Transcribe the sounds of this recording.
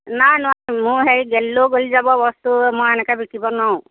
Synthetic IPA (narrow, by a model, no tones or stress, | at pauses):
najnwãmʊ̃ɦeɹiɡɛlːoɡolizabɔbɔst̪umɔjɛnɛkabikibɔnɔ̃